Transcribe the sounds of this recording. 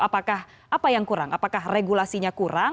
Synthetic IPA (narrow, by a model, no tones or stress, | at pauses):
apakah | ʔapajaŋkuɾa̰ŋapakahreɡulasiɲakuɾa